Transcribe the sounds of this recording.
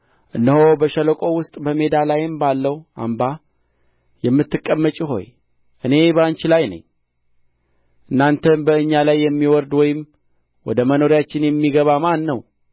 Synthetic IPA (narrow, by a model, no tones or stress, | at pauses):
ʔɨnːəho̞bəʃələkʼo̞wʊst̪ʼbəme̞d̪alajɨmbalːəwʔa̰mba | jɛmːɨt̪ːɨkʼːəmːət͡ʃʼiɦo̞̰j | ʔɨne̞bəant͡ʃɪlajnə̰ɲː | ʔɨnːant̪ʰənbəɨɲːalajːɛmːiwɔɾd̪wɔjɪm | wɔ̰d̪əməno̞ɾjat͡ʃːɪnjɛmːiɡəβamanːəw